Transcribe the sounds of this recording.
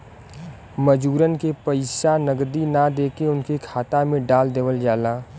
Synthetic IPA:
məd͡ʒuːɾənkepəɪsanəɡd̪inad̪eːkeʊnkekʰaːt̪amẽɖaːld̪eːʋəld͡ʒaːlaː

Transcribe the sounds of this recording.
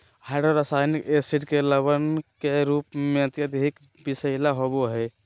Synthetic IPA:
haɪɖoɾəsaːjnikesiʈkeləbənkeɾuːpmẽət̪jəd̪eɦik | bisəɪlaɦoboɦɛ

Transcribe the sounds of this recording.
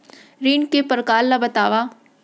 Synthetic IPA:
ɾiːnkepəɾkaːlːabɐt̪aːʋaː

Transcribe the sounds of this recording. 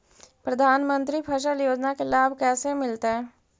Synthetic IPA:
pɾəd̪ʱaːnmə̃nt̪ɾipʰəʃ̬əljoːd͡ʒnakelaːbʱkɛːsemɪlt̪eɦɛː

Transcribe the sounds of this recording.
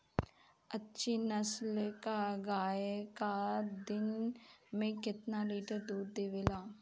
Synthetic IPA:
ətːʃiːnəslkaːɡaːekaːd̪ɪnmẽːkɪt̪naːliːʈəɾd̪uːd̪̚d̪eːʋeːlaː

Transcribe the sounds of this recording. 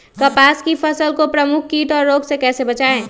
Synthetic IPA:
kɐpaːskipʰəsəlkopɾəmʊkʰkiːʈɔːɾːoːɡsekɛːsebɐt͡ʃaːẽː

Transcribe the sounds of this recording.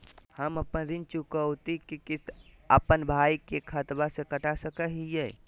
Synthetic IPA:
həməpənɾɪnt͡ʃukəwt̪ikikɪsəpənbʱaːikekʰət̪basekəʈasəkəɦijɛː

